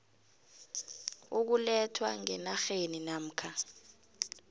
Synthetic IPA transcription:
uk̬ulɛtʰwaŋɛnaxeninam̩kʰa

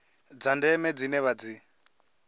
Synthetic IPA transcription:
d͡zandɛmɛd͡zinɛβad͡zi

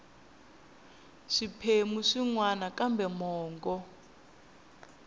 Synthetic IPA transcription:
ʂipʰemuʂiŋwanakambɛmɔːŋɡɔ

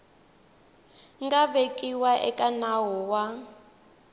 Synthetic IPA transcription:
ŋɡaβekʼiwaʔɛkʼanaɦɔwa

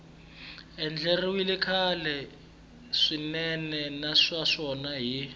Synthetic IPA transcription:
ɛnd͡ɮɛriwilikʰalɛ | ʂinɛnɛnaʂaʂɔnaɦi

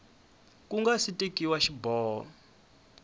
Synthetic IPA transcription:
kuŋɡasitʼekʼiwaʃibɔːɦɔ̰

